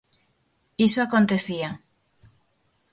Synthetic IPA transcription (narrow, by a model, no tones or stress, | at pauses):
isoakont̪eθia